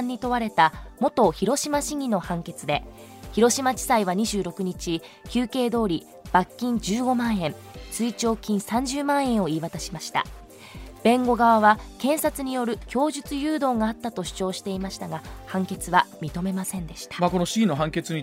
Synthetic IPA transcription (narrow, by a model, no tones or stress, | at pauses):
ɲ̟ːit̪o̞βaɾe̞t̪amo̞t̪o̞çiɾo̞ɕimaɕiŋʲino̞hãŋke̞t͡sɨd̪e̞ | çiɾo̞ɕimat͡ɕi̥saiβaɲ̟iʑɨːɾo̞kɯ̟ɲ̟it͡ɕi | kʲɨːke̞ːd̪o̞ːɾʲi | b̥akʲːĩɲd͡ʑɨːɡo̞mãɰ̃ẽ̞m | sɨit͡ɕo̞ːkʲĩɰ̃sãɲ̟d͡ʑɨːmãɰ̃ẽ̞ɰ̃o̞iːβat̪aɕimaɕi̥t̪a̰ | b̥ẽ̞ŋɡo̞ɡaβaβakẽ̞ɰ̃sat͡sɨɲ̟ijo̞ɾɯ̟kʲo̞ːʑɨt͡sɨjɯːd̪o̞ːŋaːt̪ːat̪o̞ɕi̥t͡ɕo̞ːɕi̥t̪e̞imaɕi̥t̪aɡahãŋke̞t͡sɨβamʲit̪o̞me̞masẽ̞nd̪e̞ɕi̥t̪ḁmako̞noɕiɡʲinoɦãŋke̞t͡sɨɲi